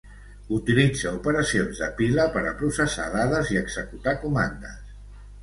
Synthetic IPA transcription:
ut̪ilid͡zəupəɾəsionzðə̰piləpəɾəpɾusəsa̰ðaðəziəɡz̥əkut̪akumand̪əs

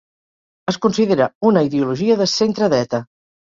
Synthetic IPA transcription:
əskunsiðeɾəunəiðiuluʒiəðəsent̪ɾəðɛt̪ə

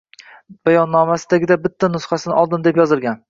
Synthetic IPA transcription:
b̥ajɒnːɒmasɪd̪aɡʲɪd̪abɪt̪ʰːanʊsχɑsɪnɪʔɒlˠd̪ɪmd̪e̞pjɒzɪlˠɡʲan

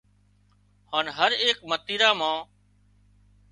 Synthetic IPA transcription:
haːnɦəɾeːkmət̪iːɾaːmãː

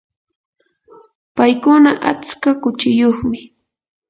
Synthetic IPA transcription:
pajkʊnaʔat͡skakʊt͡ʃɪjoχmɪ

